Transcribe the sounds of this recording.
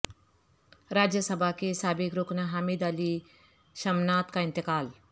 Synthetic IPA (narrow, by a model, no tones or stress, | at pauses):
ɾaːd͡ʒjəsɐbʱakesaːbikɾuknɐɦamid̪ali | ʃɐmnaːt̪kaɪ̃nt̪ɪkaːl